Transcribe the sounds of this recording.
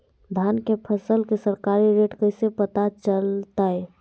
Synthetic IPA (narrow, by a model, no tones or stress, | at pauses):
d̪ʱankepʰəsəlkesəɾkaɾiɾeʈkəɪsepət̪at͡ʃəlt̪aj